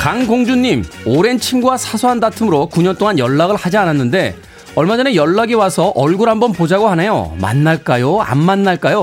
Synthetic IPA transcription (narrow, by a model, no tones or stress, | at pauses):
kaŋɡoŋd͡ʑuɲːimoɾe̞nt͡ɕʰimɡuwasʰasʰoɦandatʰɯmɯɾokuɲʌnt͈oŋanjʌɭːaɡɯɭhad͡ʑiananːɯnde̞ | ʌɭmad͡ʑʌnejʌɭːaɡiwasʰʌʔʌɭɡuɾɦambʌnpod͡ʑaɡohanajo̰ma̰nːaɭk͈ajoa̰nmanːaɭk͈ajo